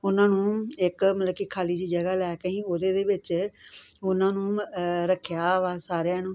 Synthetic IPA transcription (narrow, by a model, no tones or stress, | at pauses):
ʊnãːnũːɪkmət̪ləbkiːkʰaːliːd͡ʒiːd͡ʒəɡaːlɛːkəĩːoːd̪eːd̪eːʋɪt͡ʃ | ʊnãːnũːɾəkʰjaːʋaːsaːɾeãːnõː